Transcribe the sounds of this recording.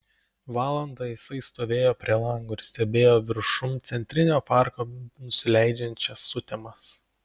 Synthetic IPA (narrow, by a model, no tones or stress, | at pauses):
ʋɑːlˠɐnd̪ɑːjɪsɐɪst̪oːʋʲeːjoːpʲɾʲiɛlˠɐŋɡoːɪɾsʲt̪ʲɛbʲeːjoːʋʲɪɾʃʊmt̪sʲɛnʲt̪ʲɾʲɪnʲoːpɑˑɾkoːnʊsʲɪlʲɛɪd͡ʒʲɛnʲt͡ʃʲɛsːʊt̪ʲɛmɐs